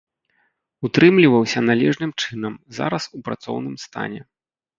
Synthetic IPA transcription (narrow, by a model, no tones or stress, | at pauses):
ut̪ɾɨmlʲivɐwsʲɐnalʲɛʐnɨmt͡ʂɨn̪ɐmza̰ɾɐsupɾat̪sɔ̰wnɨmst̪a̰nʲɛ